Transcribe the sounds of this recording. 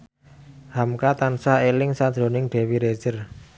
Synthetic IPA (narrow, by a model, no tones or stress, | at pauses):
hamkat̪ansaelɪŋsad̥d̪̥ɾo̤nɪŋɖ̥e̤wiɾe̥ʒ̥ər